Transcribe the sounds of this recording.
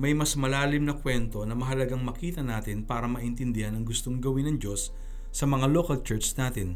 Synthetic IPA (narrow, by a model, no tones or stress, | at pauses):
mɐjmɐsmɐlaːlɪmnɐkwɛnt̪o̞nɐmɐɦɐlɐɡaŋmɐkiːt̪ɐnaːt̪ɪnpaːɾɐmɐʔɪnt̪ɪnd̪ɪhɐnɐŋɡʊst̪o̞ŋɡɐwɪnɐŋd͡ʒo̞sː | ɐmɐŋalo̞kɐlt͡ʃɛɹt͡ʃnaːt̪ɪn